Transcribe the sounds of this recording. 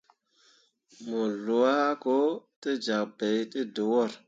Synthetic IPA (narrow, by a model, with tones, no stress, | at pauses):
mo˨lu˨wa˦ko˦te˦d͡ʒa˨k̚be˨jte˦do˨wo˦˨ɾ